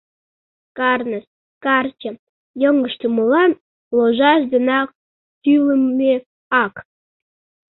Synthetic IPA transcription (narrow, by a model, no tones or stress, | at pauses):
kɑrnəs | kɑrt͡ɕə̆ | jəŋɡə̆ʃt̪uməlɑn | loʒɑʒd̪ənɑk̚ | t̪yləmːe | ɑk